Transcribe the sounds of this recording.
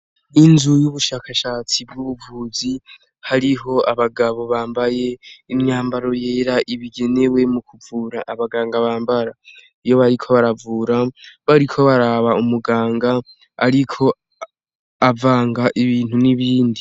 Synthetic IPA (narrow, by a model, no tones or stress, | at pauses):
inzujuβuʃaːkaʃaːt͡sibɡuβuvuːzi | haɾiɦo̞aβaɡaβo̞βaːmbaje̞imɲaːmbaɾo̞je̞ːɾaʔiβiɡe̞ne̞we̞mukʰuvuːɾaʔːβaɡaːŋɡaβaːmbaɾa | ijo̞βaɾikʰo̞βaɾavuːɾaβaɾikʰo̞βaɾaβaumuɡaːŋɡa | a̰ɾikʰo̞ | avaːŋɡaʔiβiːn̥huniβiːndi